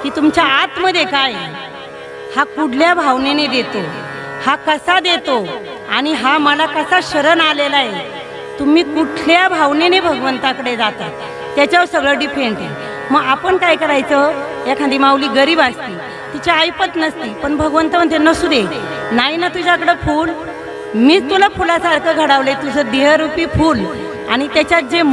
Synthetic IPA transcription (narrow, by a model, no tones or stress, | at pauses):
kiːt̪umt͡ɕaːt̪məd̪ʱːjekaj | hakuɽ̤ljabʱaʋnened̪et̪o | hakəsad̪et̪o | aɽ̃iɦaməlakəsaɕəɾənalelaje | t̪um̤iːkuʈʰljabʱaʋnenebʱəɡʋənt̪akəɽed͡zat̪a | jat͡ɕaʋəɾsəɡɭəɖifeɳʈe | məɡapəɳkajkəɾajt͡sə | jakʰand̪iːmaʋliːɡəɾiːbast̪iː | t̪it͡ɕaːjpət̪nəst̪iːpəɳbʱəɡʋənt̪əmənt̪enəsud̪e | najnat̪ud͡ʑakəɽefuːl | miːd͡zt̪ulafulasaɽkəɡʱəɽaʋləet̪ud͡zʱəd̪eɦəɾupiːfuːl | a̰ɽ̃it̪jat͡ɕjat̪̚d͡ze